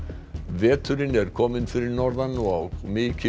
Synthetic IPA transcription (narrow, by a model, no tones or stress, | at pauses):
vɛːt̪ʰʏɾɪnɛɾ̥kʰɔːmɪnfɪɾɪɾnɔɾðanːuawɣmɪcʰɪ